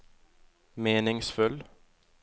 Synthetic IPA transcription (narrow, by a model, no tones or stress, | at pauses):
meːnɪŋsfʉl